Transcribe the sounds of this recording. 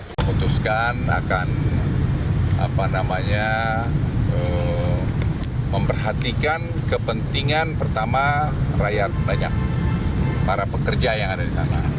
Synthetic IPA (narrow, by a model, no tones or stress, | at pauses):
məmut̪uskana̰kan | a̰panamaɲa | ə | məmpərɦat̪ikankəpənt̪iŋanpərt̪amarajat̪̚naɲa̰k̚ | paɾapəkərd͡ʒajaŋadadisa̰ma̰